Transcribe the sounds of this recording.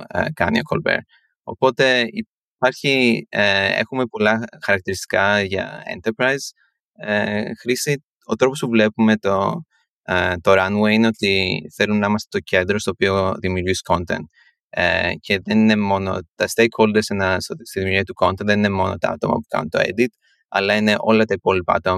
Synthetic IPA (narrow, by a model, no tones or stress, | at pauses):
kɐnio̞ko̰lbḛɾ | o̞̰po̞t̪e̞i | pɐɾçieḛxume̞po̞lɐxɐɾɐk̚t̪iɾist̪i̥kɐʝɐ̰ḛnt̪eɾpɾɐiz | exɾisi | o̞t̪ɾo̞pospuvle̞pume̞t̪o | t̪oɾɐnweineo̞t̪iθe̞lunnɐimɐst̪e̞̥t̪oce̞nd̪ɾost̪oːpio̞ðimiuɾʝisko̞nt̪e̞̰nt̪̚ | ḛceðe̞nine̞mo̞no̞̰t̪ɐst̪ejkxo̞ld̪esenɐsst̪iðimuɾʝiɐt̪uko̞nt̪enðenine̞mo̞no̞̰t̪ɐ̰ɐ̰t̪o̞̰mɐ̰pu̥kɐ̰nṵnt̪o̞̰e̞̰d̪it̪ | ɐ̰lɐine̞ʔo̞̰lɐt̪ɐipo̞lipɐɐ̰t̪omɐ